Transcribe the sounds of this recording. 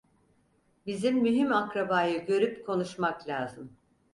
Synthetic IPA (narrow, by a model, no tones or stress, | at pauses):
bizimːyɦimakɾabaːjɯɟø̞ɾypkʰo̞nuʃmaklʲaːzɯm